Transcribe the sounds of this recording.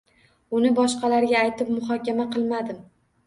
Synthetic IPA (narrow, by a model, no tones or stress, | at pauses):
ʊnɪbɒʃqɑlaɾɡʲaːjt̪ʰɪp̚mʊɦɒkʲamaqʰɨlˠmad̪ɪm